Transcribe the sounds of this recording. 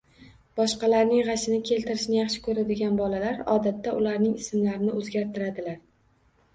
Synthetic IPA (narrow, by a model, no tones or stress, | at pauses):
b̥ɒʃqɑlaɾnɪŋʁɑʃɪnɪkʲʰe̞lt̪ʰɪɾɪʃnɪjɑχʃɪ̥kʰɵɾad̪ɪɡʲanbɒlalaɾɒ̰d̪at̪ʰːaʊlaɾnɪŋɪsɪmlaɾɪnɪʔɵzɡʲaɾt̪ʰɪɾad̪ɪlaɾ